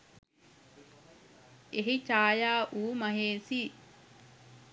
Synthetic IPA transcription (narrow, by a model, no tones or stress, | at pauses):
eɦit͡ʃaːjaːʔuːmɐɦeːsiː